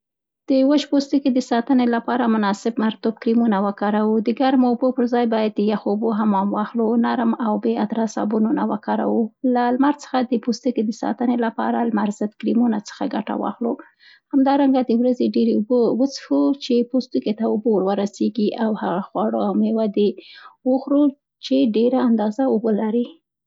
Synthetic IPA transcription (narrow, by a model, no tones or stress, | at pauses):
d̪̥əwəʃpost̪uked̪əsɑt̪ənelapɑɾamʊnɑsɪbmaɾt̪ub̚kɾimunawəkɑɾawud̪əɡaɾmoubopəɾzɑjbɑjad̪̚ːəjaxboɦamɑmwɑxlonaɾmawbead̪ɾɑsa̰bununawəkɑɾa̰wulalmaɾt͡sə̥xad̪əpost̪uked̪əsɑ̰t̪ənelapɑ̰ɾalmaɾzəd̪kɾimunat͡sə̥xaɡaʈa̰wɑ̰xlo | hamd̪ɑɾaŋɡad̪əwɾazeɖeɾeubowət͡sfut͡ʃepost̪uket̪aʊbowəɾwəɾaseɡiʔawhaɣaxwɑɽoawmewad̪ewəxɾu | t͡ʃeɖeɾaːnd̪ɑzaʊbolaɾi